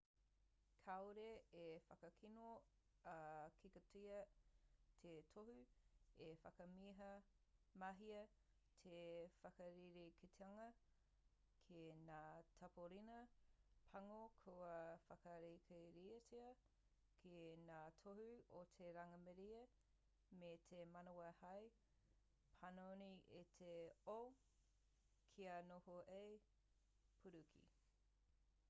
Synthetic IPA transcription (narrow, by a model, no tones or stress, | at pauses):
kʰawɾeefɐkɐkʰinoɐkʰikɐtʰiɐ | tʰetʰoɦʉefɐkɐmiɦɐ | mɐɦiɐ | tʰefɐkɐɾiɾikʰitʰeɐŋɐ | kʰenaːtʰɐpoɾinɐpʰɐŋokʰowɐfɐkɐɾikʰeɾiɐtʰiɐ | kʰenaːtʰohʉotʰeɾɐŋɐmɛɾiɐ | metʰemɐnowɐhɐj | pʰɐnoniʔetʰeow | kʰianohoʔej | pʰuɾukʰḭ